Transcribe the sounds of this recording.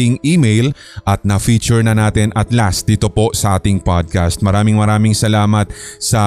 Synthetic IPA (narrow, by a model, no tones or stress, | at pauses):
ɪŋʔiːmejl | ʔɐt̪̚nɐfiːt͡ʃɛɹnɐnaːt̪ɪnʔɐt̪lasd̪iːt̪opo̞sɐʔaːt̪ɪŋpad̪̚kast̪̚mɐɾaːmɪŋmɐɾaːmɪŋsɐlaːmɐt̪̚sɐ